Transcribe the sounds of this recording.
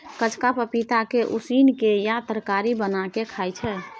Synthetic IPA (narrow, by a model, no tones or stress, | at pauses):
kət͡ʃʰkapəpit̪akeʔusinkejat̪ɾəkaɾibənakekʰajt͡ʃʰɛ